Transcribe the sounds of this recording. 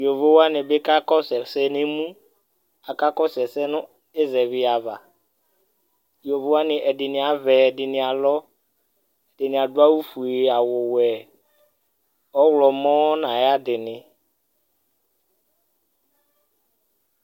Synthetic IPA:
jo˨vo˦wa˦nɪ˨bɪ˦ka˦kɔ˦sɛ˨sɛ˦nɪ˦mũ˦ | a˨ka˦kɔ˦sɛ˨sɛ˦nʊ̃˦ | e˦zɛ˨βɪ˦a˨va̰˨ | jo˨vo˦wa˦nɪ˨ʔɛ˨dɪ˨nɪ̃˨a˨vɛ˨dɪ˨nɪ̃˨a˨lɔ˦ | ɛ˨dɪ˨nɪ̃˨a˨dwa˦wu˦fu˨e˨a˨wʊ˨wɛ˨ | ɔ˦wlɔ˨mɔ̃˦nã˨ja˦dɪ˨nɪ̃˨

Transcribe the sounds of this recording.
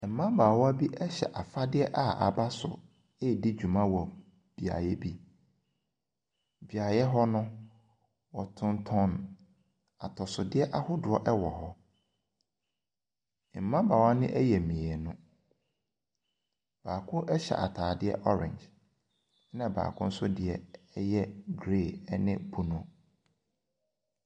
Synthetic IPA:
m̩˨mã˦baː˨wɔ˦a˦bi˦ʔɛ˦ɕɛ̰˨ʔa˨fa˦dɪ˦ɛ˦ʔa˨a̰˨ba˦sʊ̰˨ | e˦˨di˦d͡ʑᶣu˨mã˦wɔ˨ | b̥i˨a̰˨jɛ˦bi˦ | bi˨a˨jɛ˦ɦɔ˦nʊ̃˦ | wɔ˨tʰʊ̃˨ntʰɔ̃˦n | a˨tʰɔ˨sʊ˨dɪ˦ɛ˦ʔa˦hʊ˦dʊ˨ɔ˦˨ʔɛ˦wɔ˨hɔ˦˨ | m̩˨mã˦ba˨wa˦nɪ̃˦ʔɛ˦jɛ˨mĩ˨ɛ˨nʊ̃˦ | b̥aː˨kʰʊ˦ʔɛ˦ɕɛ̰˨ʔa̰˨tʰaː˨dɪ˦ɛ̰˦ʔɔ˦ɾɪ̰̃˨ɲd͡ʒ | nã˨ba̰ː˨kʰʊ̃˦n̩˦sʊ˦dɪ˨ɛ˦ | jɛ˦ɡɾe˦˨ɛ˦nɪ̃˦bu˨nʊ̃˨

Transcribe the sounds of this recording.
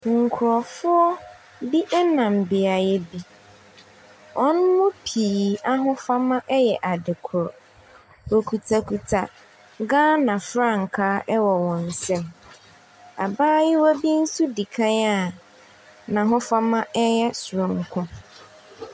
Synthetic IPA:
ŋ̩˨kʰʊ˨ɾɔ˨fʊ˦ɔ˦ | bi˦ʔɛ˦nã˨m˨bɪ˨a˨jɛ˦bi˦ | wʔɔ˦nʊ̃˦mʊ̃˦pʰiː˨a˦ɦʊ̃˦fa˦mã˦ʔɛ˦jɛ˨ʔa˨dɪ˨kʰʊ˨ɾɔ˨ | o˨kʰu˨tʰa˨kʰu˨tʰa˨ | ɡãː˦nã˨fɾa˦˨ŋ̩˨kʰaː˦ʔɛ˦wɔ˨wɔ̃˨n̩˨sɛ̃˦m | a̰˨baː˦jɪ˦wɔ˦bi˦n̩˦su˦di˨kʰã˦na˦˨ | nã˨ɦʊ̃˦fa˦mã˦ʔɛ˦jɛ˦sʊ˨ɾɔ̃˨ŋ̩˨kʰʊ̃˦

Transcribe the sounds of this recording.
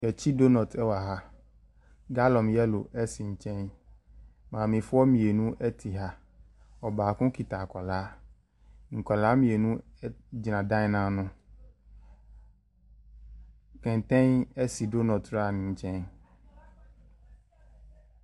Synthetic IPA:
jɛ˨t͡ɕi˦do˦nɔ˨tʰɛ˦wa˨ɦa˦ | ɡa˦lɔ̃˨mjɛ˦lo̰˨ʔɛ˦si˨ɲ̩˦t͡ʃɛ̃˦n | mã˨mĩ˨fʊ˦ɔ˦mĩ˨e˨nũ˦ʔɛ˦t̪ʰi˨ɦa˦ | ɔ˨baː˨kʊ̃˦ki˨t̪a˨kɔ˨laː˨˦ | ŋ̩˨kɔ˨laː˨˦mĩ˨e˨nũ˦ɛ˦d͡ʑi˨nã˨dã˦ɲ˦nã˦nʊ̃˦ | kɛ̃˨n˨t̪ɛ̃˦nɛ˦si˨do˦nɔ˨tɾa˦˨nɪ̃˨ɲ̩˦t͡ʃɛ̃˦n

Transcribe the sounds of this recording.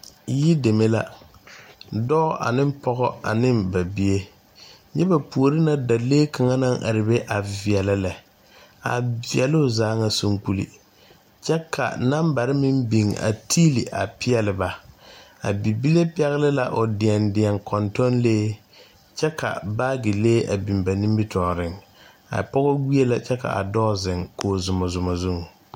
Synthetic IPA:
ji˦de˨me˦la˦ | dɔ˦ʔa̰˨nɪ˦m˦pɔ˦ɣɔ˦a̰˨nɪ˦mba˨bi˦e˦ | ɲɛ˦ba˨pu˨o˨ɾɪ˦na˦da˨leː˦ka˨ŋa˦na˦ŋʔa̰˨ɾɪ˨be˦ʔa˨vɪ˨ɛ˨lɪ˦lɛ˨ | a̰˨vi˨ɛ˨lʊ˦˨zaː˦ŋa˦˨so˦ŋk͡pu˦lḭ˦ | t͡ʃɛ˦kʰa̰˨na˦mba˨ɾɪ˦mɪ˦mbi˨ŋa̰˨tʰiː˦li˨ʔa̰˨pɪ˦ɛ˨lɪ˨ba˨ | a̰˨bi˨bi˦le˦pɪ˦ɛ˦ɣɪ˦lɪ˦la˨ʔo˨dɪ˨ɛ˨ndɪ˨ɛ˨ŋkʰɔ˨ntɔ˦nleː˦ | t͡ʃɛ˦ka̰˨baː˦ɡɪ˨leː˦ʔa̰˨bi˨mba˨ni˦mbɪ˦tʰɔː˨ɾɪ˦ŋ | a̰˨pɔ˦ɣɔ˦wi˦e˦la˨t͡ʃɛ˦ka̰˨ʔa̰˨dɔː˦zɪ˨ŋkoː˨zʊ˨mɔ˨zʊ˨mɔ˨zu˦ŋ˨

